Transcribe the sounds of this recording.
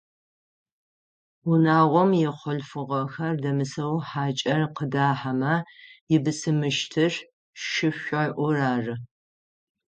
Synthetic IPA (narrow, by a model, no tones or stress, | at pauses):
ʊnaːʁʷɔmjɪχʷɔɬfɨʁɐxɐrdɐmɨsɐwħaːt͡ʃʼɐrqədaːħamɐjɪbɨsɨmɨʃtʰɨr | ʃɪɕʷɐʔʷʊraːrɨ